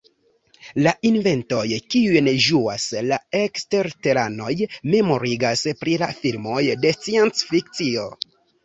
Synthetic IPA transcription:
laʔinve̞nto̞jkiujnʒuaslaekste̞ɾte̞ɾano̞jme̞mo̞ɾiɡaspɾilafilmo̞jde̞t͡siensfikt͡sio̞

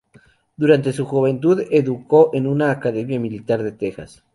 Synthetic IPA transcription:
d̪uɾant̪e̞s̬uxuβe̞nt̪uðeðuko̞ʔenunaːkaðemjamilit̪aɾðe̞t̪exa̰s

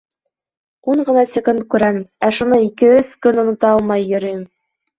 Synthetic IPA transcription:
uɴɢɤ̆nɑsʲekunt̪̚kʉɾæmæʃunɤikɘɵzkɵnŏnŏt̪ɑɑlˠmɑjːɵ̆ɾɘ̆jɘm

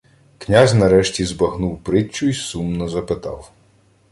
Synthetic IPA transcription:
knʲazʲnɐɾɛʃtʲizbɐxnuwpɾɪt͡ʃːʊisumnɔzɐpɪt̪ɑ̰w

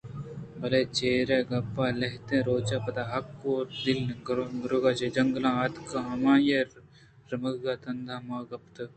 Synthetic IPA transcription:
bɐleːt͡ʃeːɾeːɡɐpːaːlɐɦt̪ẽɾoːt͡ʃapɐt̪aːɦɐkːoːɾd̪ilnɡɾɡɾoɡaːt͡ʃed͡ʒɐŋɡlãːɐt̪kaɦɐmãːjɐ | ɾɐmɐɡɡaːt̪ɐnd̪ʱaːmaːɡɐpt̪ɐ

